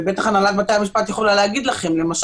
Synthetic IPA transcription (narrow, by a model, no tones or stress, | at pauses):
be̞t̪aχanalat̪̚bat̪ejamiʃpat̪jeχolaleaɡid̪laχe̞mle̞maʃ